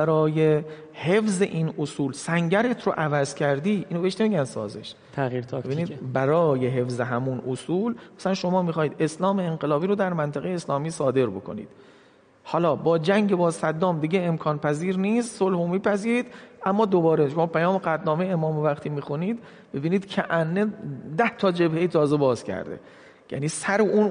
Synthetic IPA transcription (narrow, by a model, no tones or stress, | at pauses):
bæɾɒːje | he̞fze̞̰ʔiːnosuːlsæŋɟæɾe̞t̪ʰɾo̰ʔævæzcʰæɾd̪iːʔiːnobeeʃne̞miɟʲænsɒ̰ːzḛʃ | t̪ʰæiɾt̪ʰːebiːniːd̪bæɾɒːje̞ɦe̞fzeɦæmunʔosuːlmæsælænʃo̞mɒːmixɒːhiːd̪e̞slɒːme̞enɢe̞lɒːbiːɾod̪æɾmænt̪ʰæɣejeːslɒːmiːsɒːd̪e̞ɾbo̞kʰo̞̰nḭːd̪̥̚ | hɒːlɒːbɒːd͡ʒæŋɟebɒːsæd̪ːɒːmd̪iɡeemkʰɒːnpʰæziːɾniːst̪solhomiːpʰæziːɾiːd̪ʔæmːɒːd̪obɒːɾeʃomɒːpʰæjɒːmeɡæt̪nɒːme̞jeemɒːmevæqt̪ʰiːmiːxuniːd̪ | b̥ebiːniːd̪̥cʰæʔænːed̪æht̪ʰɒːd͡ʒe̞bhejit̪ʰɒːze̞bɒːz̥cʰæ̰ɾd̪ḛ | jæ̰niːsæɾoun